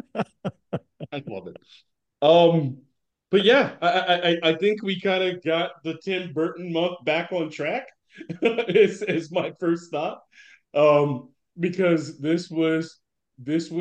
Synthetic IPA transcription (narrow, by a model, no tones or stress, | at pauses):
aɪfɔ̰ðɨ̰t̚ | ʌ̃m | b̥ʌt̚jæaɪaɪʔaɪʔaɪʔaɪθɪ̃ŋkwikʰãɪ̃ndɨɡɑt̪̚ðɨtʰɛ̃nbɜ˞ʔn̩mʌ̃nθb̥ækn̩tʰɹ̥æk | ɪzɪzmaɪfɜ˞stθɑt̚ | ʔʌ̃m | bɨkʰʌzðɪswʌz̥ | ðɪswʌ